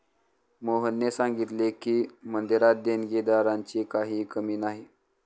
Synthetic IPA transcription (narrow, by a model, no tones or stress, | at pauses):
moɦənːesãŋɡit̪lekiːmənd̪iɾat̪̚d̪enɡed̪aɾaɲt͡ɕiːkaɦiːkəmiːnaɦi